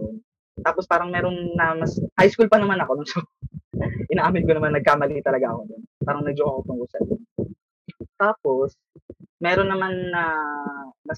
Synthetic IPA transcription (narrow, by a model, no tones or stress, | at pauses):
jon | t̪aːpospaːɾɐŋmɛːɾo̞nnɐmɐshajskulpɐnɐmanɐko̞nʊŋso | ʔɪnaʔaːmɪnkonɐmanːɐɡ̚kaːmɐlit̪ɐlɐɡaʔɐkod̪onpaːɾɐŋmɛd͡ʒoɐkopʊŋkʊsɐ̰d̪on | t̪aːpo̞s | mɛːɾonːɐmanːɐ | nɐ